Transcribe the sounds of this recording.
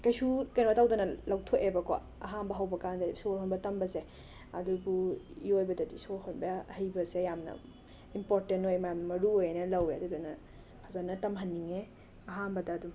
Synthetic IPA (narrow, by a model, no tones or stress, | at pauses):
kɐjsukɐjnbɐtawdɐnɐlɐwtʰoʔebɐko̰ | ɐ̰ɦambɐɦɐwbɐkandɐsolhonbɐtɐmbɐse | ɐ̰dubuiojbɐdɐdisolɦonbɐɐhɐjbɐsejamnɐ̰ | impoɾtentojmɐjamnɐmɐɾuojnɐlɐweɐdudonɐ | pʰazanɐtɐmɦɐnːiŋe | ɐɦanbɐdɐːdum